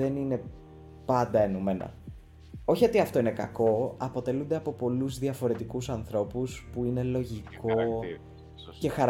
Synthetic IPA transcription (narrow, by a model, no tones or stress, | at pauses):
enine̞ | pɐnd̪ɐenume̞nɐ̰ | o̞çiot̪iɐft̪o̞ine̞kɐ̰ko̞ɐpo̞t̪e̞lund̪e̞ɐpo̞po̞luzðiɐfo̞ɾe̞t̪ikusɐnθɾo̞puspuine̞lo̞ʝiko̞ | ce̞xɐɾ